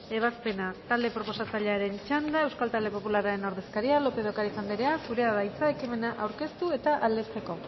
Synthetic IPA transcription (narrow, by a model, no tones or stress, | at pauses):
e̞β̞aspe̞nat̪ald̪e̞pɾo̞po̞sat͡saʎeaɾe̞nt͡ʃand̪aewskalt̪ald̪e̞po̞pulaɾaɾe̞noɾðe̞skaɾialo̞pe̞ðo̞kaɾisand̪eɾe̞asuɾe̞aðajt͡sae̞kime̞naʔawɾke̞st̪ue̞t̪aʔald̪est̪e̞ko̞